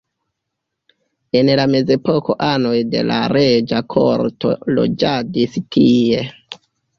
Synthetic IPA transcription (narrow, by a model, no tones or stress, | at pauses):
e̞nlame̞ze̞po̞ko̞ʔanojde̞̰la̰ɾe̞d͡ʒakʰo̰ɾto̞̰lo̰d͡ʒadiskie̞